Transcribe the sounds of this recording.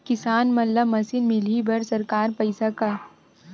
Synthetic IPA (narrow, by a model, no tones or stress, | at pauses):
kɪsaːnmɐlːamɐsɪnmɪlibɐɾsɐɾkaːɾpɐɪsaka